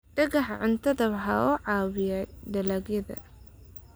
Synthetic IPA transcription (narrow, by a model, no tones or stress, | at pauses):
ɖ̥ɐɣɐħʕʊnt̪ʰɐðɐβħaʊʕɑːwɪjaɖɐlaːɡjɐðɐ̰